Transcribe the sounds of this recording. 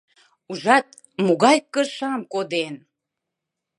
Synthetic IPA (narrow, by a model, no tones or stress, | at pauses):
uʒɑt̪̚ | muɣɑjkːəʃɑmkod̪en